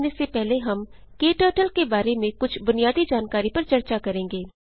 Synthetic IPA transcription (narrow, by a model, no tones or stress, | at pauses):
nesepɛɦleɦɐm | keːʈəːʈəlkebaːɾemẽkʊt͡ʃʰbʊnijaːd̪id͡ʒaːnkaːɾipɐɾt͡ʃɐɾt͡ʃakɐɾẽːŋɡeː